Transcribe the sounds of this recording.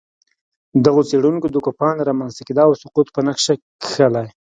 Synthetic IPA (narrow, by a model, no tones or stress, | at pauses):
d̪aɣot͡seɽunkod̪əkopɑnɾɑmanst̪akid̪ɑawsʊqut̪pənakʂakxəlaj